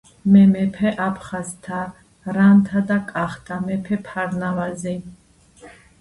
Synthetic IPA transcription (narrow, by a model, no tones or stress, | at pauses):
mɛmɛpʰɛʔapʰχazt̪ʰa | ɾant̪ʰad̪akʼaχt̪ʰamɛpʰɛpʰaɾnavazi